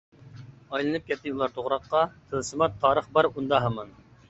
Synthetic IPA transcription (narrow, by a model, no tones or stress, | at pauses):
ɑjlˠɨnɨp̚kʲɛt̪ːɪulˠɑɾt̪ʰoʁɾɑqːɑt̪ʰɨnsɨmɑt̪ʰːɑːɾəχbɑɾund̪ɑɦɑmɑn